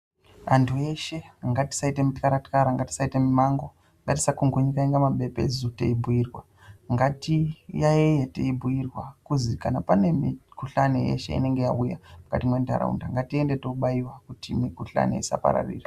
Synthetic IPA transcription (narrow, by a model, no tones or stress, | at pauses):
antʰue̞ʃe̞ŋɡati̥saitemitkaɾatkaɾaŋɡati̥saitemimaŋɡo̞ | ŋɡati̥sakuŋɡuɲikaiŋɡamaɓe̞pe̞̰zutḛibʱujirwa | ŋɡatijaejetḛibʱuirwakuzikanapane̞mikuɬanejḛʃe̞̰ḭne̞ŋɡejaujamukatimwe̞nda̰ɾa̰ṵndaŋɡatie̞ndetouɓaiwakutimikuɬa̰nḛisa̰pa̰ɾa̰rḭːra